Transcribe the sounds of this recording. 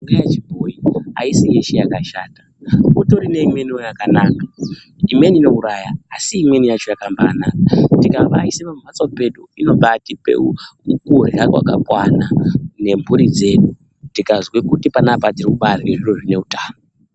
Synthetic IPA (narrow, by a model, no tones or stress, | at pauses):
uŋɡajat͡ʃibʱoikoa̰isijeʃijakaʃaːtḁ | uto̞ɾineimwe̞niojakanaːka | imwe̞niːno̞uɾajaːsiːmwe̞nijat͡ʃo̞jakambaːnaatikaʋaisemam̤at͡sape̞ɗuino̞ɓatipḛukurakwa̰ka̰kwanane̞mbuɾid͡ze̞ːɗu | tikazwekutipanapatirikuɓarweʐiroʐine̞utaːno